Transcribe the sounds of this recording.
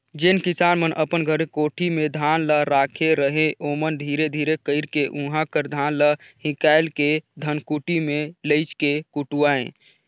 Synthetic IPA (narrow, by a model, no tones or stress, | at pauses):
d͡ʒenkisaːnmənʔəpənɡʱəɾekoːʈʰimed̪ʱaːnləɾaːkʰeɾəɦẽʔomənd̪ʱiːɾed̪ʱiːɾekəɪɾkeʔũɦãkəɾd̪ʱaːnləhĩkaɪlked̪ʱənkuʈimeləɪt͡ʃkekuʈuaḛ̃